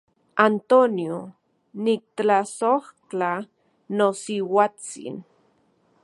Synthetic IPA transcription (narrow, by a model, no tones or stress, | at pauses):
ant̪onjo | nik̚t̪asoht͡ɬa | nosiwat͡sḭn